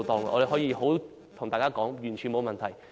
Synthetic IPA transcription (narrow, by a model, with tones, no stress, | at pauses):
t̪ɔː˨˧ŋ˨ɔ̰˨˧ɾe˨˩ɔː˨˥jiː˧ho˨˥w | t̪ʰŋt̪aː˨kaː˥kɔː˨˥ŋjyː˨˩nt͡ʃʰyː˨˩nmo˨˧wmɐ˨nt̪ʰɐ˨˩j